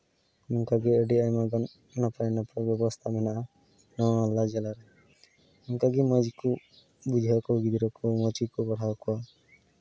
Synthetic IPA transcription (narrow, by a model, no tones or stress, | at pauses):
muŋkaɡiəɖiajmaɡɔnː | apajnapɾɔbjɔbɔst̪ʰamɛnaʔa | nɔwːlːad͡ʒɛlaɾɛ | muŋkaɡimɔd͡ʒiku | bud͡ʒʱakɔɡid̪iɾɔkɔmɔd͡ʒikɔbɔɽ̤awkɔwa